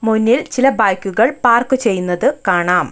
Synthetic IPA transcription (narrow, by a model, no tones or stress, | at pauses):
munːilt͡ɕilɐbaːjkʲːuɣɐɭpaːrkɨt͡ɕe̞jːunːɐðɨkaːɳaːm